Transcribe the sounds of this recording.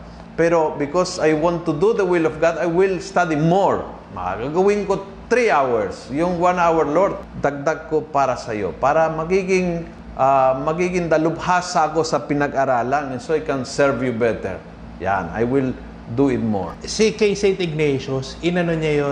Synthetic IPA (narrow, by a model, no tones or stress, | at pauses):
pɛɾobɪkosajwãnt̪ːʊd̪uðəwɪlɔfɡad̪ajwɪlst̪ad̪imoɹ | mɐa̰ɡaɡɐwɪ̃nko | t̪ɾiawɛɹsjʊŋwãnawɛɹloɾd̪̚d̪ɐɡ̚d̪aɡ̚kopaːɾɐsɐjo̰paːɾɐmɐɡiɡɪŋ | ʔamɐɡiɡɪŋd̪ɐlʊbhaːsaɐko̞sɐpɪnɐɡʔaɾaːlaŋɛnsoajkɛnsɛɹvjubɛt̪ɛ̰ɹ | ja̰na̰jwɪl | d̪uɪt̪̚mo̰ɹsikejsent̪ɪɡ̚nejʃosɪnɐnoɲajo